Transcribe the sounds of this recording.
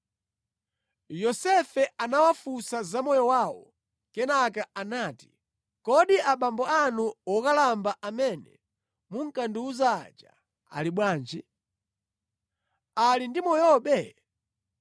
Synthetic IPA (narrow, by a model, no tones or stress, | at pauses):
jɔsɛfɛanawafusazamɔjɔwawɔ̰ | kɛnakaanaːti̥ | kɔɗiʔaɓambɔanuwɔkalambaʔamɛnɛ̰ | muŋ̩kanduuza̰d͡ʒa̰ | a̰liɓwaːnd͡ʒi | alindimɔjɔɓɛ